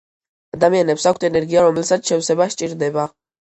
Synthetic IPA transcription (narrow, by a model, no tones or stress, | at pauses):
ad̪amianɛpsakʷʰt̪ʰɛnɛɾɡiaɾɔmɛlsat̪ʃɛwsɛbaʃt͡ʃʼiɾd̪ɛba